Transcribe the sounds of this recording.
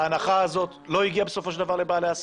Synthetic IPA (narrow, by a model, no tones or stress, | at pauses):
anaχaazo̞tlo̞iɡiabesofo̞ʃeld̪avaʁle̞baːleas